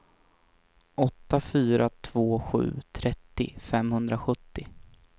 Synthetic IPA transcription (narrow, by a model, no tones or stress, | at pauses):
ʔɔt̪ːafyːɾat̪ʰv̥oːɧʉ̟̰ːt̪ʰɾɛt̪ːɪ̰fɛmhɵnd̪ɾaɧɵt̪ːɪ